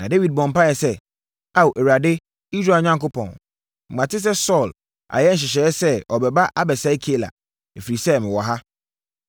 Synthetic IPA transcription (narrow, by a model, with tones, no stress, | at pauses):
nã˨de˦wi˨d̚bɔ̃˨m̩˨pa˦jɛ˨sɛ˦ | a˦˨wʔɛ˨wɾa˨dɪ˦ | i˦sɾaː˨ɲã˦ŋko˦pʰɔ̰̃˨n | m̩˨mã˨tɪ˦s̬ɛ˦sɔ˦˨l | a̰˨jɛ˦ɲ̩˨ɕ̬ɪ˨ɕ̬ɛ˨˦sɛ˦ɔ˨bɛ˨ba˦ʔa˦bɛ˨sa˨˦kʰi˦e˦la̰˨ | e˨fi˨ɾi˨sɛ˦mɪ̃˨wɔ˨ɦa˦